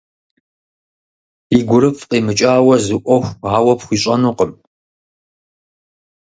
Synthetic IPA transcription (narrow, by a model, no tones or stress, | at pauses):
iːɡʷʊɾɨfqiːmɨt͡ʃʼaːwɐzɨʔʷɔxʷaːwɐpxʷiːɕʼɐnuːqəm